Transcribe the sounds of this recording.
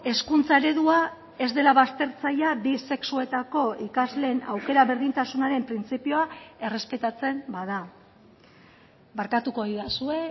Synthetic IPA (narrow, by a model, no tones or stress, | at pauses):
e̞skunt͡sae̞ɾe̞ðua | e̞zd̪e̞laβast̪e̞ɾt͡sajabise̞ksue̞t̪ako̞ikazle̞ːna̰wke̞ɾaβe̞ɾðint̪asunaɾe̞mpɾint͡sipio̞ae̞re̞spe̞t̪at͡se̞mbaða | baɾkat̪uko̞iðasue̞